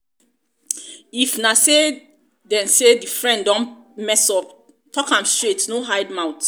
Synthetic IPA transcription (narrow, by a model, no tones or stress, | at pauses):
ifnase | dɛ̃nsedifɹɛ̃nddɔ̃nmɛsɔp̚ | tʰɔkãmstɹetnoɦaɪdmãʊt